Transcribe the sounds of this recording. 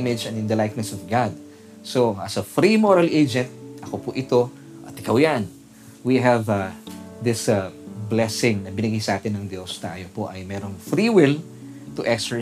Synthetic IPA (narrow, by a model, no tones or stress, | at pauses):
mɪd͡ʒɛ̃nɪ̃nd̪ɐlajk̚nɛsɔvɡad̪̚ | soʔɐsɐfɾimoɹɐlʔejd͡ʒɛ̃nt̪̚ʔɐkopʊʔɪt̪o̞ | ʔt̪ɪkɐwjan | wiɦɐv | d̪ɪsblɛsɪ̃ŋnɐbɪnɪɡajsɐʔaːt̪ɪnɐŋd̪jo̞st̪a̰ːjopoʔɐjmɛɾoŋfɹiwɪl | t̪ʊʔɛkst